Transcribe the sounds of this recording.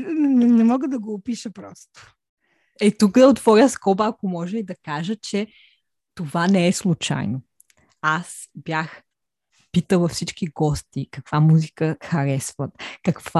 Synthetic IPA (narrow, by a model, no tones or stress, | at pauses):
ɛnɛmɔɡəd̪ɐɡoːpiʃəpɾɔst̪ʊ̥ | ɛt̪ukd̪ɐot̪vɔɾʲəskɔbəːkomɔʒɛid̪ɐkaʒət͡ʃɛ | t̪ovanɛɛslˠut͡ʃa̰jno | as | bjax | pit̪əvɐfsit͡ʃkiɡɔst̪ikɐkv̥amuzikəxɐɾɛsvət̪kɐkva